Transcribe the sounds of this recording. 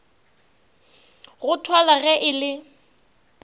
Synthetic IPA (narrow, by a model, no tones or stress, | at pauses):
ɣʊtʰwalaɣɛʔɪlɪ